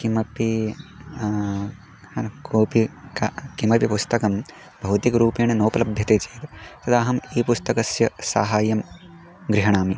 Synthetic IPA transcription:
kimɐpi | hɐkoːpikakimɐpipust̪ɐkɐm | bʱɐwt̪ikɾuːpiːɳɐnɐwpɐlɐbʱjɐt̪eːt͡ʃeːt̪t̪ɐd̪aːɦɐmiːpust̪ɐkɐsjɐsa̰ːɦaːjɐm | ɡɾiɦɐɳ̃aːmi

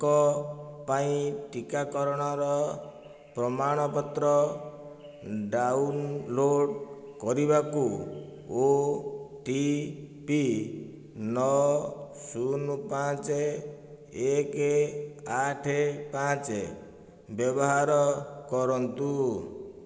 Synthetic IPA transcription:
kɔpaĩʈikakɔɾɔɽ̃ɔɾɔ | pɾɔmaɽ̃ɔpɔt̪ɾɔ | ɖaunloɽkɔɾibakuo | ʈipi | nɔ | sunupat͡ʃe | ekeaʈʰepat͡ʃe | bjɔbɔɦaɾɔkɔɾɔnt̪u

